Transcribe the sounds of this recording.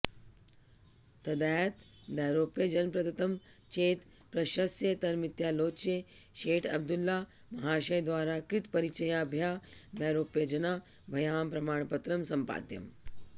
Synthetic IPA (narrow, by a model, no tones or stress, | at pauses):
t̪ɐd̪aːt̪ | d̪aːɾoːpjɐd͡ʒɐnpɾɐd̪ɐt̪ɐmt͡ʃeːt̪ | pɾɐʃɐsjet̪ɐɾmit̪jaːloːtt͡ʃeʃeːʈʰɐb̚d̪ulːa | mɐɦaːʃɐjd̪ʋaːɾakɾit̪pɐɾit͡ʃɐjaːbʱjaːb̪ɛːɾoːpjɐd͡ʒɐna | bʱɐjaːmpɾɐmaːɳ̃pɐt̪ɾɐmsɐmpa̰ːd̪jɐ̰m